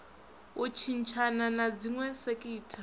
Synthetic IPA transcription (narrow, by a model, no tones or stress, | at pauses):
ut͡ʃʰint͡ʃʰananad͡ziŋwɛsekʼiːtʰa